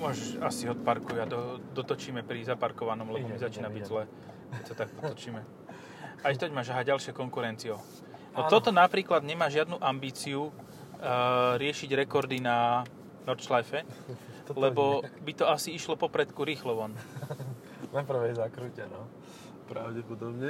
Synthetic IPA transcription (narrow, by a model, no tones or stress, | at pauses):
mʊɔʒɛʒasiɔt̪̚paɾkujad̪ɔd̪ɔt̪ɔt͡ʃiːmɛpɾizapaɾkɔʋanɔmlɛmbɔɛzat͡ʃiːnabiɟzlɛː | ɛcsat̪aɡ̚p̪ɔt̪ɔt͡ʃiːmɛ | ajt̪ɔɟmaːʒaɦaɟalʃɪɛkɔŋkuɾɛnt͡siɔ | nɔt̪ɔt̪ɔnapɾiːklad̪ɲɛmaːʒɪad̪nuʔambiːt͡siu | ɾɪɛʃiɟɾɛkɔɾd̪ina | nɔɾt͡ʃlajfɛ | lɛbɔbit̪ɔasiiʃlɔpɔpɾɛt̪kuɾiːxlɔʋɔn | napr̩ʋɛjzakɾucɛnɔ | pɾaʊɟɛpɔd̪ɔbɲɛ